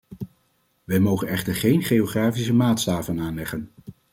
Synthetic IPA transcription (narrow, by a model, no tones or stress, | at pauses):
ʋɛjmowχənɛχtəɹχejnχejoχraːfisəmaːtstaːvənaːnlɛχən